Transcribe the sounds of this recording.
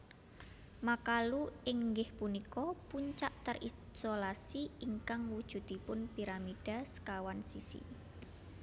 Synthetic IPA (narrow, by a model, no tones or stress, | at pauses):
makaluɪŋːɡɪhpunikɔpuɲt͡ʃaʔt̪ərʔisolasiiŋkaŋwud̥ʒ̥ṳd̪̥ipʊnpiɾamid̥a̤skawansisḭ